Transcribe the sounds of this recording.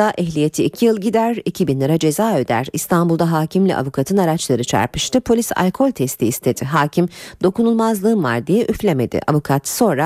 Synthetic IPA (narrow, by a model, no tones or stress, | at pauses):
aʔɛɦlʲije̞t̪ʰiːcʰijɯlˠɟid̪æɾicʰibinlˠaɾad͡ʒe̞zaːød̪æ̰ɾist̪ʰanbulˠd̪aɦaːcʰimlʲḭʔa̰vukʰat̪ʰɯnaɾat͡ʃlˠaɾɯt͡ʃʰa̰ɾpɯʃt̪ɯpʰo̞lʲisa̰lʲkʰo̞lʲt̪ʰɛst̪ʰiːst̪ʰe̞d̪̥ɪɦaːcʰimd̪o̞kunulˠmazlˠɯːɯnva̰ɾd̪ijɛʔyflʲeme̞d̪ɪ̰ʔa̰vukʰat̪so̞nɾa